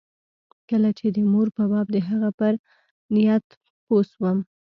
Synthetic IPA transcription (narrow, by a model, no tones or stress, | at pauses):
kəlat͡ʃed̪əmoɾpəbɑb̚d̪əɦaɣapəɾ | nɪjat̪ | poswəm